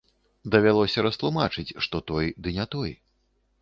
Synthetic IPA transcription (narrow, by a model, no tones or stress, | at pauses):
d̪ɐvʲalˠɔsʲɐɾɐst̪lˠumat͡ʂɨt͡sʲʂt̪ɔt̪ɔjd̪ɨnʲɛt̪ɔj